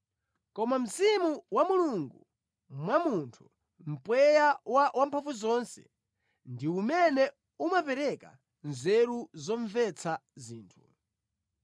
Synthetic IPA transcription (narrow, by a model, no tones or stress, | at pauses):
kɔmam̩zimuwamuluŋɡu | mwamuntʰu̥ | m̩pwɛjawawampʰavuzɔnsɛ̰̥ | ndiumɛnɛ | umapɛɾɛka | nzɛɾuzɔɱvɛt͡sʰaziːntʰu̥